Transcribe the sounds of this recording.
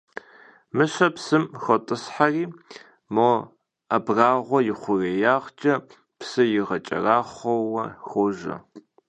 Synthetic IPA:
mɨɕɐpsɨmxʷɔtʼɨsħariː | mo | ɐbraːʁʷɔjɪχʷʊrejaːʁt͡ʃʼɐ | psɨjɪʁɐt͡ʃʼɐ̰raːχʷɔwɐxʷoʒɐ̰

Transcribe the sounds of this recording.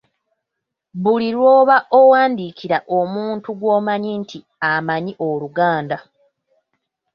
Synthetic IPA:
βuliɾwo̞ːβaʔowaːndikiɾaʔo̞muːntuɡwo̞ːmaɲintʰi | amaɲiʔo̞luɡaːnda

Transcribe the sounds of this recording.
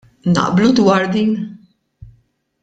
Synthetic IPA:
nɐ̰ʔblud̪wɐːɾd̪iːn

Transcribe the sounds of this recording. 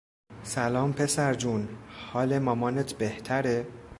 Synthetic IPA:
sælɒːmpʰe̞sæɾd͡ʒunhɒːlemɒːmɒːnet̪ʰbeht̪ʰæɾe

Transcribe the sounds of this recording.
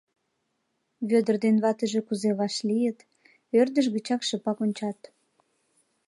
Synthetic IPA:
βød̪ərd̪enβɑt̪əʒekuzeβɑʃlijət̪ | ørd̪əʃ̬ɣət͡ɕɑkʃəpɑkonʲt͡ɕɑt̪

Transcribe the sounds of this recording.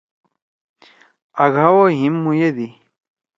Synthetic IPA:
aɣawoɦĩmːũjed̪i

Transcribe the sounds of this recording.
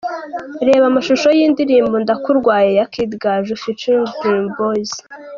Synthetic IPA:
ɾe̞ːβamaʃuʃojiːndiɾiːmbondakuɾɡwaːjejakidɡaʒufit͡ʃinimboz

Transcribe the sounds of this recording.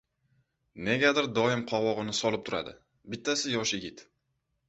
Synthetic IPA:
ne̞ɡʲad̪ɪɾd̪ɒɪmqʰɒwɒʁɨnɪsɒlˠɪp̚t̪ʰʊɾa̰d̪ɪ̰ | bɪt̪ʰːasɪjɒʃjɪɡʲɪt̪

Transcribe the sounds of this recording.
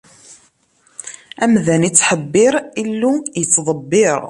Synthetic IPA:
æmðænit͡sːħəbːɪɾˤilːujət͡sːðˤəbːɪɾ

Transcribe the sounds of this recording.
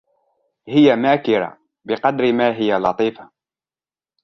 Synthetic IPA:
hɪjamaːkɪɾa̰ | bɪqɑd̪ɾɪmaːɦɪjalɑt̪ˤiːfḁ

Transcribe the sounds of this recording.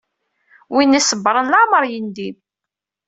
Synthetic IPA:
winːisəbːɾˤənlaməɾˤjənd̪im

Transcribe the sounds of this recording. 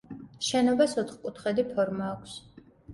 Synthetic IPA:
ʃɛnɔbasɔt̪ʰχkʼut̪ʰχɛd̪ipʰɔɾmaːkʷʰs

